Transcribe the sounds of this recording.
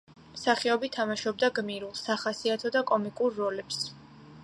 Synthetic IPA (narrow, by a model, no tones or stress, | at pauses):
msaχiɔbit̪ʰːamaʃɔb̚d̪aɡmiɾulˠsaχasiat̪ʰɔd̪akʼɔmikʼuɾːɔlɛps